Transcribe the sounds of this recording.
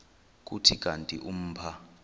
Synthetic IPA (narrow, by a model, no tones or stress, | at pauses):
k̬ʼutʰikʼantʼḭʔum̩ːpʰa